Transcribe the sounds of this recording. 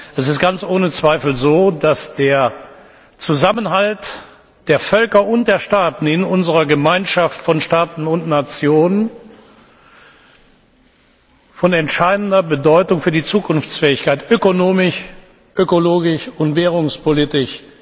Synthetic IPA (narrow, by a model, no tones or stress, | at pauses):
ʔɛsɪst̚ɡ̥ant͡sʔoːnət͡sv̥aɪfl̩zoːdasd̥eːɐ | t͡suzamənɦalt | d̥eːɐfœlkɐʔʊnt̚d̥eːɐʃtaːtn̩ɪnʔʊnzəʁɐɡəmaɪnʃaftfɔnʃtaːtn̩ʊntnat͡sjoːnən | fɔnɛntʃaɪdn̩dɐbədɔʏtʊŋfyːɐdiːt͡suːkʊnft͡sfɛːɪçkaɪtʔøkonoːmɪʃ | ʔøkoloːɡɪʃʊntv̥ɛːʁ̞ʊŋspolɪtɪʃ